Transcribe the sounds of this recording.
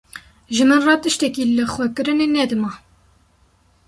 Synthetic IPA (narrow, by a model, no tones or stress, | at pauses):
ʒɨmɨnrɑt̪ɨʃt̪ɛkiːlɨxʷɛkɨɾɨnenɛd̪ɨmɑː